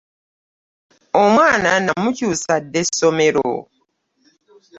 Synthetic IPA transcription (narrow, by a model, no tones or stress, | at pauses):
omwaːnanamucusadesomeɾo̰